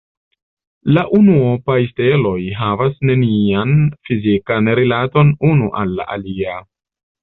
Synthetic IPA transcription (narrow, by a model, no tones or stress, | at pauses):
laʔunuopajste̞lo̞jɦavasne̞nianfizikanɾilato̞nunuʔalːa̰ʔalia